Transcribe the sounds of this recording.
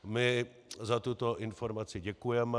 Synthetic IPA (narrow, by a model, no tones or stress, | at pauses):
mɪ | zat̪ut̪oʔɪnfoɾmat͡sɪɟɛkujɛmɛ